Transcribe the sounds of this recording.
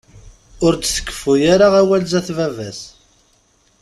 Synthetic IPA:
ʊɾt͡sθə̥kːə̥fujaɾaʁæwælzæθvævæs

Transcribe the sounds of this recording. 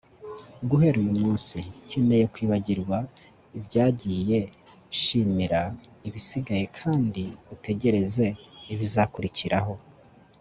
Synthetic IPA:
ɡuɦe̞ɾujumuːnsin̥hendejekwiːβaɟiɾɡwa | ibjɟaːɟiːje̞ | ʃiːmiɾa | iβisiɡaje̞kʰaːndiute̞ɟe̞ɾe̞ze̞ːβizakuɾiciɾaɦo̞

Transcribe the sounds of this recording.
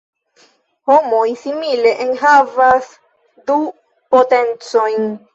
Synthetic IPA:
homo̞jsimile̞ʔenɦavas | du | pote̞nt͡so̞jn

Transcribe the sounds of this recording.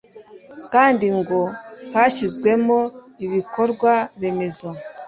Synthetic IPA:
kaːndiŋɡohaçizɡwe̞mo̞ | iβiko̞ɾɡwaβe̞me̞zo

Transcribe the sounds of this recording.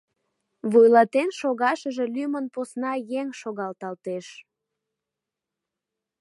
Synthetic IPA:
βujlɑt̪enʃoɣɑʃəʒe̽lymənposnɑjeŋʃoɣɑlt̪ɑlt̪eʃ

